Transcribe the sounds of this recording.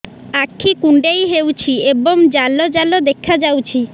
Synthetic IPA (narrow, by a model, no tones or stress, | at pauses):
akʰːikuɳɖejɦewt͡ʃʰieboŋd͡ʒalod͡ʒalod̪ekʰːad͡ʒawt͡ʃʰi